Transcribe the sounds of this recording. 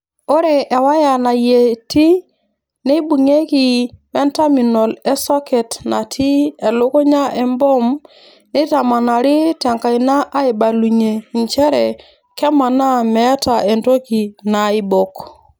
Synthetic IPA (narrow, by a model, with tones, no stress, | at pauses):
o˦ɾe˨ʔːwa˦ja˨na˨je˨ti˦ | ne˦bu˨ŋe˦ki˨wɛ˦nta˦mi˨nɔ˨lɛ˦sɔ˦kɛ˨tna˨tʰi˦ɛ˨lʊ˦ku˦ɲa˦ʔɛ˨mbɔ˦m | ni˦ta˨ma˨na˨ɾɪ˦tɛ˨ŋka˨i˨na˦ʔa˦ɪ˨ba˨lu˨ɲe˨ɲt͡ʃɛ˦ɾɛ̰˨ | kɛ˦ma˨na˦mɛ˨˦ta˨e˨nto˦ki˨na˨ɪ˦bɔ˨k